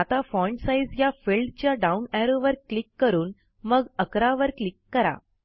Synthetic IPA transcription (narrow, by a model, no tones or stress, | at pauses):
at̪afɔjɳʈsaid͡zjafelɖt͡ɕjaɖaunɛɾoʋəɾklikːəɾuːn | məɡəkɾaʋəɾklikːəɾa̰